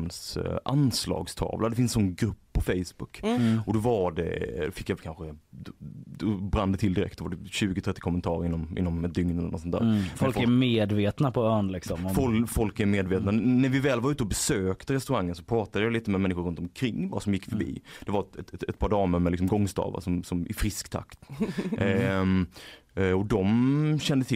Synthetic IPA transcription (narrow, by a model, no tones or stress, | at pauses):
msʔanslɑ̰ːɡst̪ʰɑ̰ːvlad̪ɛfɪnsɔnɡɾɵpːʰɔfɛjsbʊkːɔd̪ɔvaɖɛ̰fɪkːjakʰanɧəd̪d̪ɔbɾand̪ət̪ʰɪld̪ɪɾɛ̰kt̪d̪ɔvaɖɛɕʉ̟ːɡʊt̪ʰɾɛt̪ːɪ̥kʰɔmənt̪ʰɑːɾɪnːɔmʔɪ̰nːɔmɛt̪̚d̪ʏŋnɛlɛ̰ənɔtsɔnt̪æ̰ɾfɔlkæmeːd̪veːt̪napʰɔœːɳlɪksɔmfɔlfɔlkæɾmeːd̪veːt̪nanæɾvɪvɛːlvaɾʉ̟ːt̪əɔbɛsøːkt̪əɾɛst̪ɵɾaŋːənsɔ̥pʰɾɑːt̪ad̪əjaliːt̪əmɛmɛnːɪɧʊɾɵnt̪ɔmkʰɾɪŋːbɑːɾasɔmjɪkːfœɾbḭːd̪̥ɛvaɾɛt̪ɛt̪ɛt̪̚pʰɑːɖɑːməɾmɛlɪksɔmɡɔŋːst̪ɑ̰ːva̰sɔmsɔmʔɪ̰fɾɪskt̪ʰa̰kt̪ | ɔd̪ɔmɕɛnd̪ət̪ʰɪ